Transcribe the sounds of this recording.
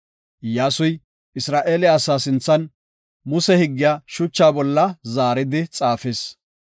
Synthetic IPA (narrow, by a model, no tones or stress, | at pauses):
jaːsʊj | ɪsɾaːʔeːlɪːsaːsɪnt͡sːɐn | mʊsɛhɪɡːɪjaːʃʊt͡ʃːaːbɔlːɐzaːɾɪd̪ɪt͡sʼaːfeːs